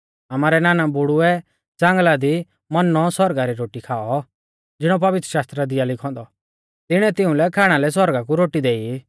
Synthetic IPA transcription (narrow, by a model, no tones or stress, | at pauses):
ɐmaːɾɛnaːnabʊɽʊɛ | d͡zãːŋɡlad̪i | mɐnɔsɔɾɡaɾiɾoːʈikʰaːɔ | d͡zɪɽ̃ɔpɐʋɪt̪ɾə̥ʃaːst̪ɾad̪ɪjalɪkʰɔ̃ːnd̪ɔ | t̪ɪɽ̃ɛt̪ɪũlɛkʰaːɽ̃alɛs̬ɔɾɡakuɾoːʈid̪eːi